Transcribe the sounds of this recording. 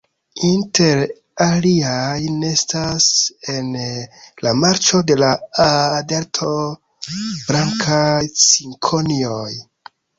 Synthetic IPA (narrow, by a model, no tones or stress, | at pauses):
inte̞ɾ | aliajnestase̞nlamaɾt͡ʃo̞de̞laː | de̞ɾtʰo̞ | bɾaŋkʰajsiŋkʰonioj